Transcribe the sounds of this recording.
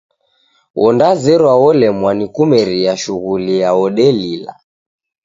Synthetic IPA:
wʔɔndazɛɾwawɔlɛmwanikumɛɾijaʃuɣulijaɔɗɛlila̰

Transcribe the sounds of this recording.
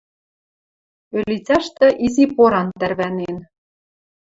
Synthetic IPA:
ølit͡sʲæʃt̪ɤ̆ʔizipoɾɑnt̪ærβænen

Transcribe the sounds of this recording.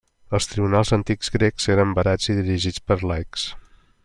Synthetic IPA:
əlˠst̪ɾiβunalˠzənt̪iɡzɡɾekz̥eɾəmbəɾad͡ziðiɾiʒit͡spəɾlajks

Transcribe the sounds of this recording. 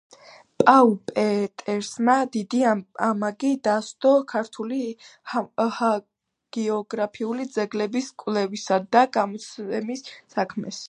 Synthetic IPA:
pʼaupʼɛt̪ʼɛɾsmad̪id̪iamaɡid̪ast̪ʼɔkʰaɾt̪ʰuli | ha | ɡ̥ɛɔɡɾapʰiulid̪zɛɡlɛbiskʼwlɛvisad̪aɡamɔt̪sʰɛmisːakʰmɛs

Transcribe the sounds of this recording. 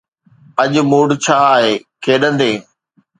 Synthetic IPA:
ɐʄ̆muːɽt͡ɕʰaːɦeːkʰeːɗə̃nd̪eː

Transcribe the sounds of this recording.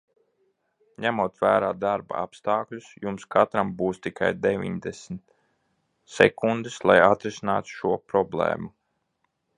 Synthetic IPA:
ɲæmuɔt̪væːɾaːd̪aɾba̰apst̪aːklʲusjumskat̪ɾambuːst̪ikʰa̰jd̪evʲḭɲd̪esmt̪ | sɛ̰kund̪ɨslˠajat̪ɾisina̰ːt̪ʃuɔpɾɔblˠḛːmu

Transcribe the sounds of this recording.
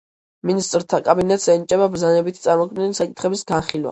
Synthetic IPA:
minist̪ʼɾt̪ʰakʼabinɛt̪ʰsɛnit͡ʃʼɛbabɾzanɛbit̪ʰit̪sʼaɾmɔkʰmd̪ɛnisakʼit̪ʰχɛbisɡanχilˠwa̰

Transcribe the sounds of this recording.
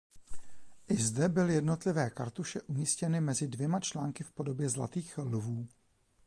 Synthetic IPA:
ʔɪzdɛbɪlɪjɛdno̞t̪lɪvɛːka̰ɾt̪uʃɛʔumiːscɛnɪmɛzɪdvjɛmat͡ʃlaːŋkɪfpo̞do̞bjɛzla̰t̪iːxlvuː

